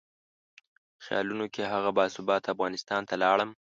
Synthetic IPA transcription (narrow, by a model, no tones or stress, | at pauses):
xjɑ̰lunokeɦaɣabɑsʊbɑt̪afɣɑnɪst̪ɑnt̪alɑɽəm